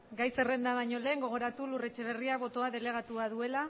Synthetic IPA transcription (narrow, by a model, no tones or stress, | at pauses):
ɡajse̞re̞nd̪aβ̞aɲo̞le̞ːŋɡo̞ɣ̞o̞ɾat̪ulure̞t͡ʃe̞β̞e̞riaβo̞t̪o̞aðe̞le̞ɣ̞at̪uaðue̞la